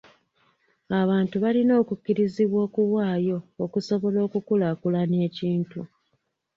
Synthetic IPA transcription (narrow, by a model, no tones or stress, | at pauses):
aβaːntuβalino̞ːkucːiɾiziβwo̞ːkuwaːjo̞ːkuso̞βo̞lo̞ːkukulakulane̞ːciːntu